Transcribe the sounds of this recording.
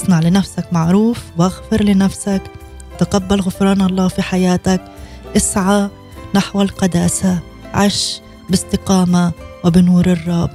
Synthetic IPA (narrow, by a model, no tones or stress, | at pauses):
ʔɑsˤnaʕlɪnafsakmaʕɾuːfwʔaɣfɪɾˤlɪnafsak | t̪ɪqabːalɣʊfɾɑːnɑlˤːɑːfiħajaːt̪ak | ʔɪsʕa | naħwalqɑd̪aːsa | ʕaʃ | bɪst̪ɪqɑːmawɪbɪnuːɾɨrˤːɑb